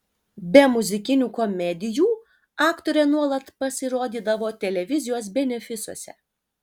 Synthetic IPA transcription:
bʲɛmʊzʲɪkʲɪnʲuːkɔmʲɛd̪ʲɪjuː | ɑːkt̪oːɾʲɛnuɔlˠɐt̪pɐsʲɪɾoːd̪ʲiːd̪ɐʋoːt̪ʲɛlʲɛʋʲɪzʲɪjoːs̬bʲɛnʲɛfʲɪsuɔsʲɛ̰

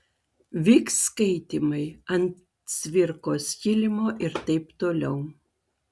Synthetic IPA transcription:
ʋʲiːkskɐɪt̪ʲɪmɐɪɐnt̪ | sʲʋʲɪɾkoːsjʲɪlʲɪmoːʔɪɾt̪ɐɪpt̪oːlʲɛʊ

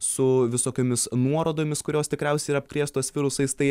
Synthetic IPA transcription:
sʊʋʲɪsoːkʲoːmʲɪsnuɔɾoːd̪oːmʲɪskʊɾʲoːst̪ʲɪkɾʲɛʊsʲɛɪiɾɐpkɾʲiɛst̪oːsʋʲɪɾʊsɐɪst̪ɐɪ

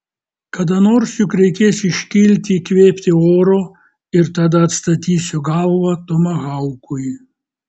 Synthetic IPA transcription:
kɐd̪ɐnoːɾsjʊkɾʲɛɪkʲeːsʲɪʃʲkʲɪlʲt̪ʲɪkʋʲeːpʲt̪ʲɪoːɾoː | ɪɾt̪ɐd̪ɐɐt̪st̪ɐt̪ʲiːsʲʊɡɐlˠʋɐt̪omɐɣɐʊkʊj

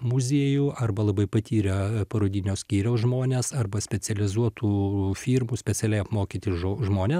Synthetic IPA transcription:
mʊzʲiɛjuʔɐrbɐlˠɐbɐɪpɐt̪ʲiːɾʲɐpɐɾoːd̪ʲɪnʲoːsʲkʲiːɾʲɛʊʒmoːnʲeːsɐrbɐsʲpʲɛsʲɛlʲɪzuɔt̪uːfʲiːrmuːsʲpʲɛt͡ssʲɛlʲɛɪɐpmoːkʲiːt̪ʲɪʒoːʒmoːnʲeːs

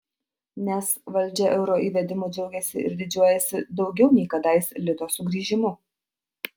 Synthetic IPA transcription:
nʲɛsʋɐlʲˑd͡ʒʲɛʔɛʊɾoːʔiːʋʲɛd̪ʲɪmod͡ʒɛʊɡʲɛsʲɪ̰ʔɪ̰ɾd̪ʲɪd͡ʒʲuɔjɛsʲɪd̪ɒʊɡʲɛʊnʲɛɪkɐd̪ɐɪsʲlʲɪt̪oːsʊɡɾʲiːʒʲɪmʊ

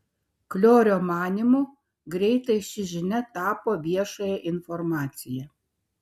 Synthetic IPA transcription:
klʲoːɾʲoːmɑːnʲimʊ | ɡɾʲɛɪt̪ɐɪʃʲɪʒʲɪnʲɛt̪ɑːpoːʋʲiɛʃojɛʔɪnfɔɾmɑːt̪sʲɪjɛ

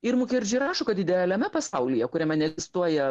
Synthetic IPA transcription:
ɪɾmʊkʲeɾʲd͡ʒʲɪɾɑːʃokɐt̪ʲɪd̪ʲɛælʲɛmʲɛpɐsɐʊlʲɪjɛkʊɾʲɛmʲɛnʲɛɡʲɪst̪uɔjɛ

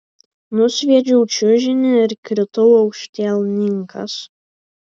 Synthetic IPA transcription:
nʊsʲʋʲiɛd͡ʒʲɛʊt͡ʃʲʊʒʲɪnʲɪɪɾkʲɾʲɪt̪ʊʊɒʊkʃʲt̪ʲɛlˠʲnʲɪŋkɐ̰s

